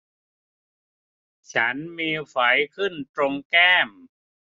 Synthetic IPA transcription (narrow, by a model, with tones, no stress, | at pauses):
t͡ɕʰa˦˥nmiː˧fa˩˦jkʰɯ˥˩nt̪ɾo˧ŋkɛː˥˩m